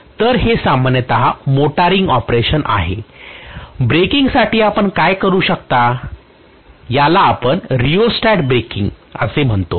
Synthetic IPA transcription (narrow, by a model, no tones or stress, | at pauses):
t̪əɾɦesamanjət̪aɦamoʈaɾiŋɡɔpɾeɕənʔa̰ɦe | bɾekiŋɡsaʈiːapəɳkajkəɾuːɕəkt̪a | jalaːpəɳɾiosʈaʈbɾekiŋɡəsem̤əɳt̪o